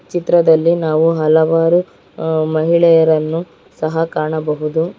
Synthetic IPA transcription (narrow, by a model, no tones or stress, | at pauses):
t͡ʃit̪ɾɐd̪ɐlːinaːʋuɦɐlɐʋaːɾu | mɐɦiɭɛjɐɾɐnːu | sɐɦɐkaːɳɐbɐɦud̪u